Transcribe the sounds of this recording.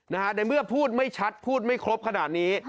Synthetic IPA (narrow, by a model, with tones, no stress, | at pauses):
na˦˥kʰa˦˥da˧˩mɯ˥˩ɐpʰuː˥˩t̪̚ma˥˩jt͡ɕʰa˦˥t̪̚pʰuː˥˩t̪̚ma˥˩jkʰɾo˦˥p̚kʰa˧naː˨˩t̪̚niː˦˥